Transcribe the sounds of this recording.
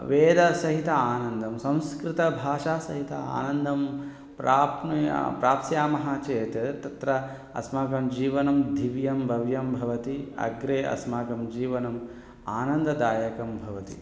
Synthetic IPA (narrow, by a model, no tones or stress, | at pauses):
ʋeːd̪ɐsɐɦit̪ɐaːnɐnd̪ʱɐmsɐ̃w̃skɾit̪ɐbʱaːʂaːsɐɦit̪ɐa̰ːnɐnd̪ʱɐm | pɾaːpn̰pɾaːp̪sjaːmɐɦaːt͡ʃeːt̪jɐt̪ɐt̪ɾɐ | ɐ̰smaːɡɐmd͡ʒiːʋɐnɐmd̪ʱiʋjɐmbʱɐʋjɐmbʱɐʋɐt̪iɐ̰ɡɾeːʔɐ̰smaːɡɐmd͡ʒiːʋɐnɐm | aːnɐnd̪ɐd̪aːjɐkɐmbʱɐʋɐt̪ḭ